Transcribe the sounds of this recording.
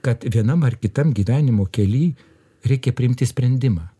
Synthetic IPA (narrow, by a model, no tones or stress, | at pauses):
kɐt̪ʋʲiɛnɐmɐrkʲɪt̪ɐmɡʲiːʋʲæːnʲɪmoːkʲɛlʲiː | ɾʲɛɪkʲɛpʲɾʲɪɪmʲt̪ʲɪsʲpʲɾʲɛnʲd̪ʲɪmɑː